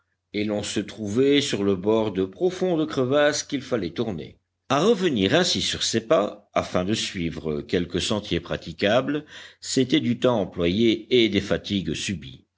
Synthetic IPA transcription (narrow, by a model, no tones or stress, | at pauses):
elɔ̃sət̪χuvɛsyʁləbɔʁd̪əpχɔfɔ̃d̪əkχəvaskʲilfalɛt̪uʁnḛ | aʁəvəniʁɛ̃sisyʁsepaa̰fɛ̃d̪əsɥiːvʁəkʲɛlkəsɑ̃t̪jepχat̪ikʲabləset̪ɛd̪yt̪ɑ̃ɑ̃plwajeːd̪efat̪iɡsybḭ